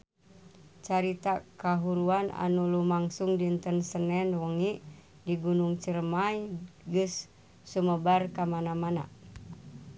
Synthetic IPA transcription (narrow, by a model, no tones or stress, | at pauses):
t͡ʃaɾit̪akaɦuɾuana̰nulumaŋsuŋdint̪ənsənɛnwəŋi | diɡunuŋt͡ʃəɾəmajɡɨsː | uməbarkamanamana̰